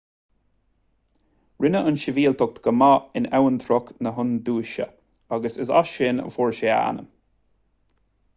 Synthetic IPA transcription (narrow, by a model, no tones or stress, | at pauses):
ɹɪnəʔənʃɪviːlt̪ʰʊk̚t̪ɡ̥əmaɪnɛwənt̪ʰɾʊknəɦʊnd̪uːʃə̰ | aɡəsəsa̰ʃɪnə̰fɔɹʃea̰nə̰m